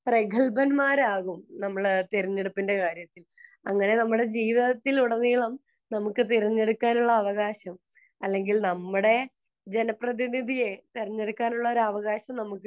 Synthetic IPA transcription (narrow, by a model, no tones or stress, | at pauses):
prekʰɐɭbɐnmaːɾaːɣumnɐmːɐɭt̪eɾiɲːe̞ɽupːinde̞kaːɾjɐt̪ːil | ɐŋːɐne̞nɐmːuɽe̞d͡ʑiːʋɐɐt̪ːiluɽɐniːɭɐm | nɐmukːɨt̪iɾiɲːe̞ɽukːaːnuɭːɐːʋɐɣaːɕɐm | ɐlːe̞ŋɡilnɐmːuɽe̞ | d͡ʑe̞nɐprɐðinid̪ʱije̞t̪iɾiɲːe̞ɽukːaːnuɭːɐoɾɐʋɐɣaːɕɐmnɐmukːɨ